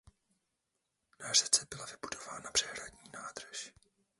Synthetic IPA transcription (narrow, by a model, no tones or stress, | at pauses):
narɛt͡sɛbɪlavɪbudo̞vaːnabr̥ɛɦɾadɲiːnaːd̪r̩ʃ